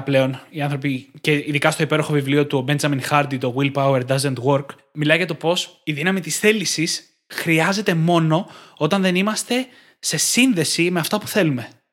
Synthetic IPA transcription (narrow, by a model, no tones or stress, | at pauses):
ple̞o̞niɐnθɾopiceiðikɐst̪o̞ipe̞ɾo̞xo̞vivlio̞t̪ube̞nzɐminxɐɾd̪it̪o̞ɣwilpɐweɾd̪ɐzent̪ɣo̞ɾk | milɐjʝɐt̪o̞po̞siðinɐmit̪isθe̞lisis | xɾiɐze̞t̪e̞mo̞no̞o̞t̪ɐnðe̞nimɐst̪e̞ | se̞sinðe̞sime̞ɐft̪ɐpu̥θe̞lume̞